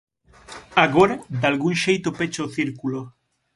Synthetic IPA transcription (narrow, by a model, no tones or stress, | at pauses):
aɣoɾad̪alɣuŋʃejt̪ʊpet͡ʃoθiɾkulo